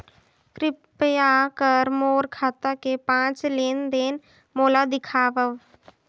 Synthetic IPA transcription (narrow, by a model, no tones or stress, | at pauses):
kɾɪpjakəɾmoːɾkʰaːt̪akepãːt͡ʃleːnd̪eːn | moːlad̪ɪkʰaːʋəʋ